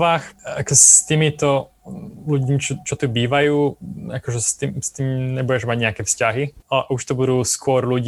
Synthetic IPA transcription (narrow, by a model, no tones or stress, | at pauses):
ʋaːxakɛst̪iːmit̪ɔ | luɟmit͡ʃɔt͡ʃɔt̪ibiːʋajuːakɔʒɛst̪iːmst̪iːmɲɛbuɛʒmaɟɲɛakɛfscaɦiauʃt̪ɔbud̪uːskʊɔɾluɟ